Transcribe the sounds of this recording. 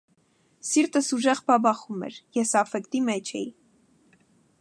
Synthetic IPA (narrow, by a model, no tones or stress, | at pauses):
siɾt̪əsuʒɛʁbɑbɑχumɛ̰ɾjɛsɑfɛkt̪imɛt͡ʃʰɛ̰ji